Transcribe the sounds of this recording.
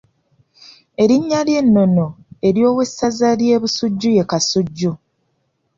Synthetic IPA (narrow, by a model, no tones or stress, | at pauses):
e̞ɾiɲːalje̞nːo̞no̞e̞ɾjo̞ːwe̞sːazalje̞ːβusuɟːuje̞kasuɟːu